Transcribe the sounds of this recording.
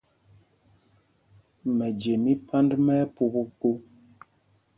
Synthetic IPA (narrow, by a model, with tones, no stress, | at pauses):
mɛ˨d͡ʒe˨mi˦pʰa˦ndmɛ˦pu˦bu˦ku˦